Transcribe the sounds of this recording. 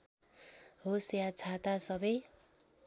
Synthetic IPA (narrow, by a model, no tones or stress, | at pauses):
ɦosjat͡sʰat̪asʌbʌj